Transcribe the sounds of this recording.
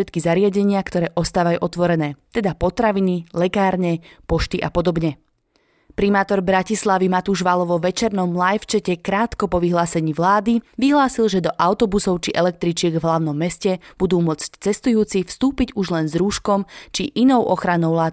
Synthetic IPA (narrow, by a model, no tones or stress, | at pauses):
ɛt̪kizaɾɪaɟɛɲɪakt̪ɔɾɛːʔɔst̪aːʋajuːʔɔt̪ʋɔɾɛnɛːt̪ɛd̪apɔt̪ɾaʋinilɛkaːɾɲɛpɔʃt̪iʔapɔd̪ɔbɲɛ | pɾimaːt̪ɔɾbɾacislaʋimat̪uːʒʋalɔʋɔʋɛt͡ʃɛɾnɔmlajft͡ʃɛcɛkɾaːt̪kɔpɔʋiɦlaːsɛɲiːʋlaːd̪iʋiɦlaːsilˠʒɛd̪ɔʔaʊt̪ɔbusɔʊt͡ʃiʔɛlɛk̚t̪ɾit͡ʃɪɛɡvɦlaʊnɔmːɛscɛb̥ud̪uːmʊɔt͡sct͡sɛst̪ujuːt͡sifst̪uːpiɟuʒlɛnzɾuːʃkɔmt͡ʃiʔinɔʊʔɔxɾanɔʊlaː